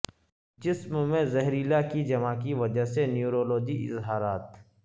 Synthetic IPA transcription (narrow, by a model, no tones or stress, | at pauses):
d͡ʒɪsmmẽzɛɦɾiːlakid͡ʒɐmakiʋɐd͡ʒəɦsenjuːɾoːloːd͡ʒiʔɪ̰zɦaːɾaːt̪